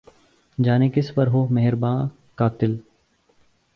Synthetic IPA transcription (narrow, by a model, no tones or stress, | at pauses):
d͡ʒaːnekɪspəɾɦoːmɛɦɪɾbãː | kaːt̪ɪl